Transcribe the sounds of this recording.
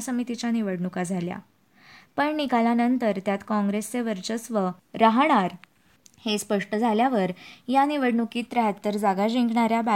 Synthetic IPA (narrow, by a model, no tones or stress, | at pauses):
səmit̪it͡ɕaniʋəɽɳukad͡zʱalja̰ | pəɳnikalanənt̪əɾt̪jat̪kɔ̃ŋɡɾest͡seʋəɾt͡ɕəsʋəɾaɦɳ̃aɾ | hespəʂʈəd͡zʱaljaʋəɾjaniʋəɽɳukiːt̪ɾəɦat̪ːəɾd͡zaɡaɕiŋkɳaɾjaba